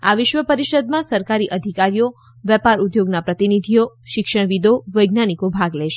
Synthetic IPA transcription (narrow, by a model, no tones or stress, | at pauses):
a̰ʋɪʃʋəpəɾiʃəd̪mãsəɾkaɾiʔəd̪ʱikaɾijo | ʋɛpaɾud̪joɡnapɾət̪inid̪ʱijoʃɪkʃəɳ̃ʋid̪oʋəjɡnanikobʱaɡlɛʃe